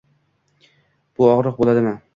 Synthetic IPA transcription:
b̥ʊɒʁɾɨq̚bolad̪ɪmɪ

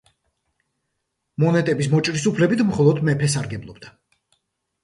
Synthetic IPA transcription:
mɔnɛt̪ʼɛbismɔt͡ʃʼɾisupʰlɛbit̪ʰmχɔlˠɔd̪mɛpʰɛsaɾɡɛblˠɔbd̪a

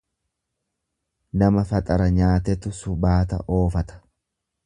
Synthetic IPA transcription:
nɐmɐfɐt̪ʼɐɾɐɲaːt̪ɛt̪ːʊsʊbaːt̪ɐ̰ʔo̞ːfɐt̪ɐ̥

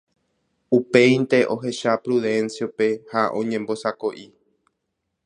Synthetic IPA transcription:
upe̞ĩnt̪e̞ʔo̞ɦe̞ʃapɾuðẽ̞nsjo̞pe̞haʔõ̞̰ɲẽmbo̞sako̞ʔi

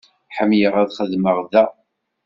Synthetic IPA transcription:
ħəmjəʁæðχəðməʁðæ

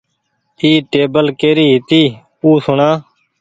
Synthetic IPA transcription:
iːʈeːbəlkeːɾiːɦɪt̪iː | uːsʊɳaː

